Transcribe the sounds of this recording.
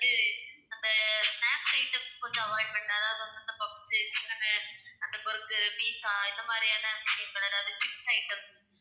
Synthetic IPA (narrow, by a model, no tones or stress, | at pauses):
ɐðɯɐnd̪ɐsnaːpsɐɪʈːɐmspoːt͡ʃːɐ̃ɐʋaːɳɖmɐɳɖɐðaːʋɐðɐmɐnd̪ɐpɐksɪt͡ʃːɪkːɐnɐɐnd̪ɐpɔɾɯkːɯɾɯpiːsaɪnd̪ɐmaːd̪ɾijaːnɐbʂeŋɡɐɭɐðaːʋɐðɯt͡ʃɪpsɐɪʈːɐms